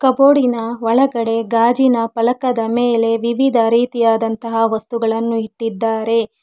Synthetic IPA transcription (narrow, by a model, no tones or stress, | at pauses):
kɐboːɽinɐʋɐɭɐɡɐɽe̞ɡaːd͡ʒinɐpɐlɐkɐd̪ɐmeːle̞ʋiʋid̪ʱɐɾiːt̪ijaːd̪ɐnt̪ɐɦɐʋɐst̪uɡɐɭɐnːuiʈːid̪ːaːɾe̞